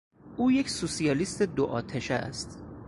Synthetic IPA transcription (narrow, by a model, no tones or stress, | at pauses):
ʔuːjecsusijɒːliːst̪e̞d̪oʔɒːt̪ʰeʃæ̰st̪